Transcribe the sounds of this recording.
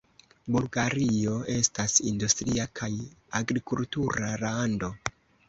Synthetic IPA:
bulɡaɾio̞e̞stasindustɾiakʰajaɡɾikultuɾalando̞

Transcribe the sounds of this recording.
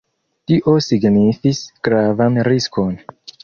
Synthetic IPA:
tiʔo̞siɡnifisɡ̥ɾavanɾiskʰo̞n

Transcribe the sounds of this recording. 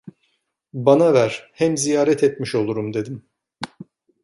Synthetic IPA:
banavæɾ̥hɛmzijaːɾɛt̪ʰɛt̪miʃo̞lˠuɾumd̪e̞d̪im

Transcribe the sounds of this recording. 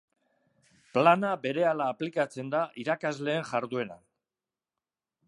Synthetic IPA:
planabe̞ɾe̞alaːplikat͡se̞nd̪aʔiɾakazle̞ːnʝaɾðue̞na̰

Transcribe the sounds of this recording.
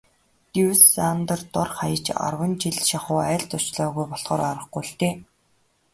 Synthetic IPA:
t̪iwsant̪ə̆rt̪ʊrχajə̆t͡ɕa̰rwə̆nt͡ɕiɮʃaχʊːæːɬt̪ʊt͡ɕɮɔːɣujpɔɮχɔːɾaɾə̆χɡuɬt̪eː

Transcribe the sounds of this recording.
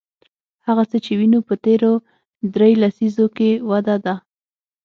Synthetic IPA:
haɣat͡sət͡ʃewinupət̪eɾo | d̪ɾejlasizokewad̪ad̪a

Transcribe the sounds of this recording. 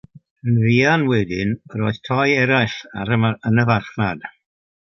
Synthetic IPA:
ənðiːanwɛdɪnroːɨð̥tʰɔɨɛɾajɬa̰ɾəənəvarχnad̥

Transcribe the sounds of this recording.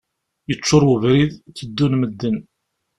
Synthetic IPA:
jət͡ʃːʊɾˤwəvɾiðθəd̪ːunməd̪ːən

